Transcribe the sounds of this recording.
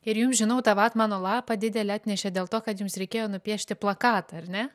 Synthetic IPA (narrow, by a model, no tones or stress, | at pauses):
ɪɾjumsʒʲɪnɐʊt̪ɑʋɑːt̪mɑːnoːlˠɑːpɐd̪ʲɪd̪ʲɛlʲɛɑːt̪ʲnʲɛʃʲɛdʲeːlˠt̪oːkɐt̪jʊmsɾʲɛɪkʲeːjoːnʊpʲiɛʃʲt̪ʲɪplˠɐkɑːt̪ɐɐrʲnʲɛ